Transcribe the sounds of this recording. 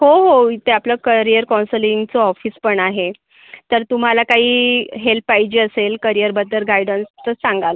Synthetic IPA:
ɦoɦoit̪ʰeapləːkəɾijəɾkɔ̃nsəliŋɡt͡sɔɔfiːspəɳaɦe | t̪əɾt̪um̤alakaɦiːɦelpːajd͡ʑiːəselkəɾijəɾbət̪ːəɾɡajɖənst̪əsaŋɡalə

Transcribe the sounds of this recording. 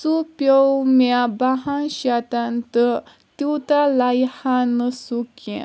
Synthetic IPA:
supjowmjabaɦãnɕat̪ant̪ə | t̪iwt̪alajhãnəsukɛ̰̃

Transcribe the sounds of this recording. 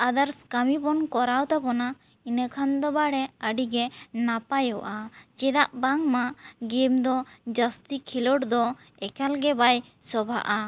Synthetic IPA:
ad̪aɾskamibɔnkɔɾawt̪abɔna | inəkʰand̪ɔbaɽɛəɖiɡɛnapajɔʔat͡ʃɛd̪aʔbaŋmaʔɡimd̪ɔd͡ʒəst̪ikʰilɔɽd̪ɔ | ɛkalɡɛbaj | sɔbʱa̰ʔa

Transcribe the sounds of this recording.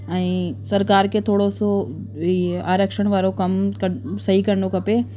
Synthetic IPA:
ɛ̃ːsɐɾkaːɾkʰet̪ʰoːɽoso | iaːɾəkʃəɽ̃ʋaːɾokɐmkɐsɐɦikɐɾnokɐpe

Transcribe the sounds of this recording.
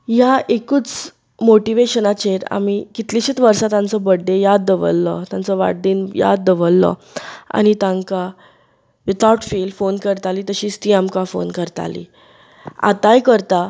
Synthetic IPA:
jaʔekuːt͡s | moʈiʋeɕənat͡ɕeɾa̰mikit̪liɕit͡s̪ʋəɾsat̪ãnt͡sɔbəɽːejad̪ːəʋə̰lːɔ̰t̪jãnt͡səʋa̰ɽɖiːnja̰d̪d̪əʋəlːɔ̰ | a̰ñit̪ãŋka | ʋit̪awʈfiːlfonkəɾt̪aliːt̪əɕiːt͡st̪iːamkafo̰nkəɾt̪a̰lḭ | a̰t̪ajkəɾt̪a

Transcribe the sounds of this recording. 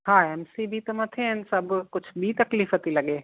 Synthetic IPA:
hãːɛːmsibʱit̪omɐt̪ʰeɦənsɐbkʊt͡ʃʰbʱit̪ɐkliːfət̪ilɐɡeː

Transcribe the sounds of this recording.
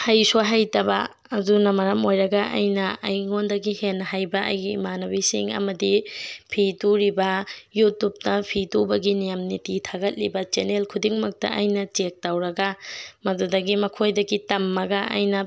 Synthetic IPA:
hɐjsoɦajtɐbɐ̰ː | dunɐmɐɾɐmojɾɐɡɐʔɐ̰jnɐɐ̰jŋondɐɡihenːɐɦajbɐʔɐ̰jɡimanɐbisḭŋɐ̰mɐdipʰituɾibɐjutːup̚tɐpʰitubɐɡinijɐmnititʰaɡɐt̚libɐt͡ʃenelkʰudiŋmɐk̚tɐ̰ʔɐjnɐt͡ʃek̚tɐwɾɐɡɐmɐdudɐɡimɐkʰojdɐɡitɐmːɐɡɐɐ̰jnɐ

